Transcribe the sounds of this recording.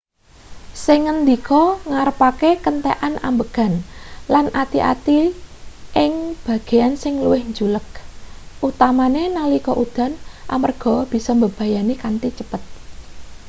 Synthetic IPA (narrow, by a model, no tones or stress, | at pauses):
sɪŋːənd̪ikɔŋaɾəpakekənt̪eʔanʔambəɡ̥ä̤nlanʔat̪iʔa̰t̪i | ʔɪŋb̥a̤ɡ̥e̤ansɪŋluwɪhɲd͡ʒulək̚ʔut̪amanenalikɔʔud̪̥a̤nʔa̰mərɡ̥ɔ̤b̥i̤sɔmbəb̥a̤janikant̪it͡ʃəpət̪̚